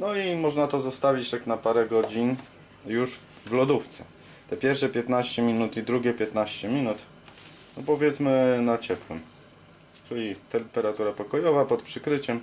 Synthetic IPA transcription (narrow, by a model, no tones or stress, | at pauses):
nɔimɔʐnat̪ɔzɔst̪avʲit͡ɕtaknapaɾɛɡɔd͡ʑin | juʐ | vlɔd̪uft̪sɛ̥ | t̪ɛpʲjɛɾfʂɛpʲjɛt̪naɕt͡ɕɛmʲinut̪id̪ɾuɡʲɛpʲjɛt̪naɕt͡ɕɛmʲinut̪ | nɔpɔvʲjɛt̪smɘnat͡ɕɛpwɛm | t͡ʂɘlʲit̪ɛmpɛɾat̪uɾapɔkɔjɔvapɔt̪pʂɘkɾɘt͡ɕɛm